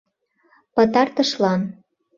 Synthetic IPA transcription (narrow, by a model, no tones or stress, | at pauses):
pə̆t̪ɑrt̪ə̆ʃlɑn